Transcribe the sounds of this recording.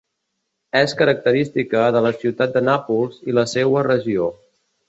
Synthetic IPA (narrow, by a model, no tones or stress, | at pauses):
ɛskəɾək̚t̪əɾist̪ikəðələsiwt̪at̪̚d̪ənapulˠziləsewərəʒio